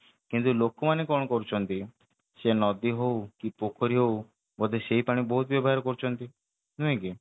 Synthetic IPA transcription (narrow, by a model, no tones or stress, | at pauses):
kint̪ulokɔmanekɔ̃ɔkɔɾut͡ʃʰɔnt̪i | senɔd̪iɦowkipokʰɔɾiɦow | bɔd̪eseipaɽ̃ibɔɦut̪bjɔbɔɦaɾɔkɔɾut͡ʃʰɔnt̪i | nuẽki